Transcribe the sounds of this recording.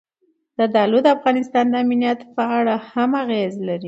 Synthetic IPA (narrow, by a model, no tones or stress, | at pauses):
d̪̥əd̪ɑlod̪əafɣɑnɪst̪ɑnd̪əaminijat̪pəaɽahamaɣezlaɾi